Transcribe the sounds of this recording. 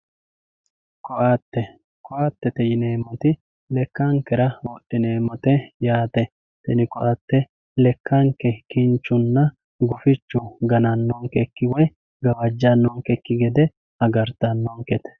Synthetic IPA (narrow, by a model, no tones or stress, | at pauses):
kɔʔaːt̪ːɛ | kɔʔaːt̪ːɛt̪ɛjɪneːmːɔt̪ɪ | lɛkːɐŋkːɛɾɐwɔʔːɪneːmːɔt̪ɛjaːt̪ɛ | t̪ɛnɪkɔʔat̪ːɛ | lɛkːɐŋkːɛkɪnt͡ʃːʊnːɐ | ɡʊfɪt͡ʃːʊɡɐnɐnːɔŋkɛkːɪwɔj | ɡɐwɐd͡ʒːɐnːɔŋkɛkːɪɡɛd̪ɛ | hɐɡɐɾt̪anːɔŋkɛt̪ɛ̥